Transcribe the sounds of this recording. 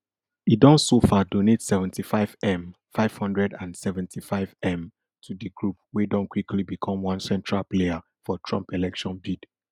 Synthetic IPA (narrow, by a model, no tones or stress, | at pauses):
idɔ̃nsofadonetsɛvɛ̃ntifaɪvɛ̃m | faɪv̥hɔ̃ndɹɛdãnsɛvɛ̃ntʰifaɪvɛ̃m | tʰudəɡɹup̚wedɔ̃nkwikʰlibikʰɔ̃mwɔ̃nsɛ̃ntʰɹalplea | fɔtʰɹɔ̰̃mpɛlɛkʃɔ̃nbid̥